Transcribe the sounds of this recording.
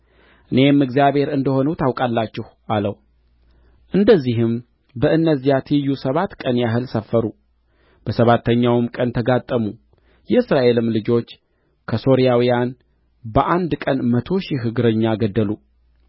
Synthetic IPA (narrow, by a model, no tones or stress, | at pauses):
ʔɨne̞mːɨɡzijaβhe̞ɾɨnd̪əho̞nut̪awkʼalːat͡ʃːɛhʔaləw | ʔɨnd̪əzːiɦɨm | bəʔɨnːəzːijat̪ʰijːusəβat̪kʼənjaɦɨlsəfːəɾu | b̥əsəβat̪ʰːəɲːawɨmkʼənt̪ʰəɡat̪ʼːəmu | jɛɨsɾaʔe̞lɨmlɨd͡ʒo̞t͡ʃː | kʰəso̞ɾijawijan | bəʔand̪kʼənmət̪ʰo̞ʃiɦɨɡɨɾəɲːaɡəd̪ːəlu